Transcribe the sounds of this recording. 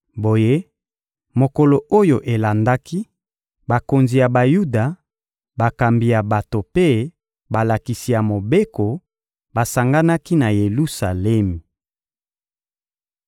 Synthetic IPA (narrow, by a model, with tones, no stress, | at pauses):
bo˨je˦ | mo˨ko˨lo˨ʔo˦jo˨ʔe˨la˨nda˦ki˦ | ba˨ko˨nzi˨ja˨ba˨ju˦da˨ | ba˨ka˨mbi˨ja˨ba˨to˨pe˦ | ba˨la˨ki˨si˨ja˨mo˨be˦ko˨ | ba˨sa˨ŋɡa˦na˦ki˦na˨je˨lu˦sa˨lɛ˦m˨